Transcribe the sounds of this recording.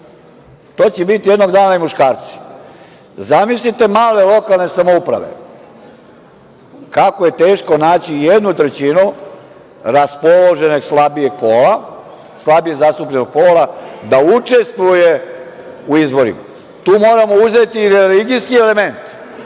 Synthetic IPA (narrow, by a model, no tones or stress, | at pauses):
t̪o̞ːt͡ɕebit̪ije̞d̪no̞ɡd̪aːnaimuʃkaːɾt̪si̥ | zamislit̪emaːle̞lˠo̞kalˠne̞samoupɾa̰ʋḛ | kakoje̞t̪eːʃko̞naːt͡ɕije̞d̪nut̪ɾe̞t͡ɕinu | ɾaspo̞lo̞ʒe̞noɡslabije̞ɡ̚poːla | slˠabije̞ɡzast̪upʎenoɡ̚po̞ːlad̪aut͡ʃe̞st̪ʋuje | uizbo̞ɾḭma | t̪uːmo̞ːɾamo̞uzet̪iɾeliɡijskiele̞me̞nt̪